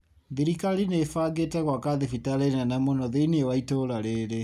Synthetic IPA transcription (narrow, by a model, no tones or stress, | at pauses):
ðiɾikaɾinefaɡetɛɣwakaðefitaɾenanamonɔðeineewaitoɾaɾeɾe